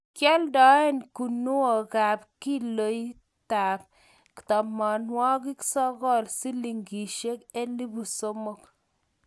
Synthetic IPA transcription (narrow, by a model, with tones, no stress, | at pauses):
kjɔ˦ldɔ˨˦e˦nku˨nu˦o˨ka˨p̚ki˦lo˨˦j | ta˨p̚ | ki̥˨tɔ˨ma˨nwɔ˦ki˦ksɔ˦kɔ˦˨lsi˦li˨ŋɡi˨ʃe˦ke˦li˦bu˨so˦mo˦k